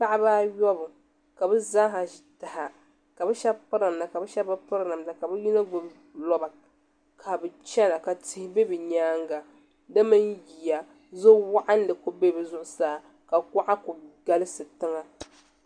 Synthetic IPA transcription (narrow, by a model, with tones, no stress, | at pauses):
pa˦ʔɪ˦baː˦jɔ˦bʊ˨ | ka˨bɨ˦zaː˦ɦa˨ʒi˨ta˨ha˨ | ka˨bɛ˦ʃɛ˦bpɨ˦ɾa˨m˨na˨ka˨bɨ˦ʃɛ˦bɨ˦pɨ˦ɾna˨mna˨ka˨bɛ˦ji˦na˦ɡʊ˨b | lɔ˦ba˨ | kʰa˨bɨ˨t͡ʃɛ˦na˨ka˨tɪ˦hɪ˦be˦bɨ˨ɲaː˦ŋɡa˨ | dɨ˦mɨ˦nji˨ja˨ | zo˦wa˦ʔa˦n̩˦dɨ˨ko˦be˦bɨ˨zʊ˦ʔʊ˦saː˨ | ka˨ka˦ʔa˦ko˨ɡa˦lɨ˦sɨ˨tɨ˦ŋa˦